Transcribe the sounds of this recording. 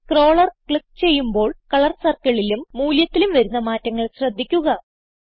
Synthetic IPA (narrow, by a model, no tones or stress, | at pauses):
kro̞ːɭɐrkɭip̚t͡ɕe̞jːumbo̞ːɭkɐɭɐrsɐrkɐɭilumːuːljɐt̪ːilumʋɐɾunːɐmaːtːɐŋːɐɭɕrɐd̪ʱːikʲːuɣɐ